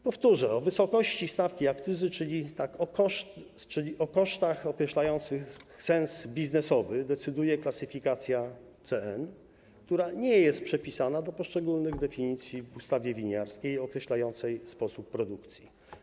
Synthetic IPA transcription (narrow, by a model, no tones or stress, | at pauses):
pɔft̪uʐɛɔvɘsɔkɔɕt͡ɕist̪afkʲiakt̪sɘzɘt͡ʂɘlʲit̪akɔkɔʂt̪ | t͡ʂɘlʲiʔɔkɔʂt̪axɔkɾɛɕlajɔnt̪sɘxsɛnsbʲiznɛsɔvɘd̪ɛt̪sɘd̪ujɛklatsɘfʲikat̪sʲjat̪sɛɛn | kt̪uɾaɲɛjɛst̪̚pʂɛpʲisanad̪ɔpɔʂt͡ʂɛɡulnɘɣd̪ɛfʲiɲit̪sʲjivust̪avʲjɛvʲiɲaɾskʲejɔkɾɛɕlajɔnt̪sɛjspɔsupːɾɔd̪ukt̪sʲji